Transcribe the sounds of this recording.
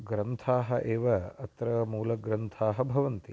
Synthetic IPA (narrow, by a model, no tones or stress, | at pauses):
ɡɾɐnt̪ʰaːɦɐʔeːʋɐɐt̪ɾɐmuːlɐɡɾɐnt̪ʰaːɦɐbʱɐʋɐnt̪i